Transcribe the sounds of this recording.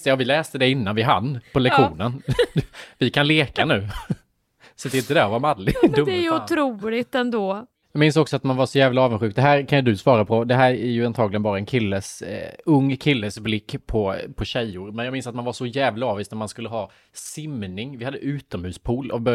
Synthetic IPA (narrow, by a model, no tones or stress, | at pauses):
t̪jɑːvɪlɛːst̪əd̪ɛɪnːanvɪɦa̰nːpʰɔlɛkɧuːnən | vɪkʰanleːkanʉ̟ː | sat̪ɛɪnt̪əd̪æɔvaɾmad̪lɪd̪ɵmdjʊɾuːlɪt̪ɛnd̪oː | jɑːɡmɪnsɔksɔat̪manvaʂɔjæːvlaɑːvənɧʉk̚d̪ɛɦæːɾkʰanjɵd̪ɵsvɑːɾapʰɔd̪ɛɦæːɾæɾjɵant̪ʰɑːɡlɪɡənbɑːɾaɛnkʰɪlːəsɵŋːkʰɪlːəsblɪkːpʰɔpʰɔɕɛjːʊɾmɛnjɑːmɪnsat̪̚manvaʂɔjæːvlaɑːviːst̪naɾmanskɵlːəɦɑː | sɪmnɪŋvɪhad̪ːəʔʉ̟ːt̪ɔmhʉ̟ːspʰuːlɔ̰b